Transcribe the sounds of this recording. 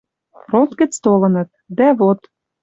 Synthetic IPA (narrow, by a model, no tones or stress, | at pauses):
rot̪ɡɘ̆t͡st̪olɤ̆nɤ̆t̪̚ | d̪æβot̪